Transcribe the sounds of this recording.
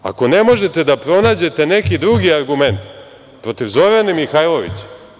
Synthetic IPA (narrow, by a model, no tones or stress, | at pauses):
a̰ko̞ne̞mo̞ʒe̞t̪e̞d̪apɾo̞naːd͡ʑe̞t̪e̞ne̞kid̪ɾuɡiaɾɡume̞nt̪ | pɾo̞t̪iʋzo̞ɾanemixajlˠo̞ʋḭt͡ɕe̥